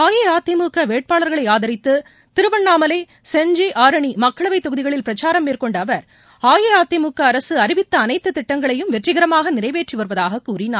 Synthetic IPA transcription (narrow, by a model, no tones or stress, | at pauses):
aːjeaːt̪ːɪmuːkɐʋeːʈ̚paːɭɐɾɣɐɭɐɪaːðɐɾɪt̪ːɯ | t̪ɪɾɯʋɐɳːaːmɐleː | sɛɲd͡ʒeːʔaːɾɐɳimɐkːɐɭɐʋɐɪt̪ːɔɣɯðɪɣɐɭɪlpɪɾɐt͡ʃaːɾɐmːeːrkɔɳɖɐʋɐɾ | aːjeaːt̪ːɪmuːkːɐːɾɐsɯɐɾɪʋɪt̪ːɐːnɐɪt̪ːɯt̪ːɪʈːɐŋɡɐɭɐjɯmʋɛʈrɪɣɐɾɐmaːɣɐnɪrɐɪʋeːʈriʋɐɾɯʋɐðaːɣɐkːuːrɪnaːɾ